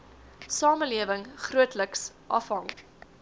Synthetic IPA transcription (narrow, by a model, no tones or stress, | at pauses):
sɑːməliəvəŋχruətləks | ʔɐfɦɐŋ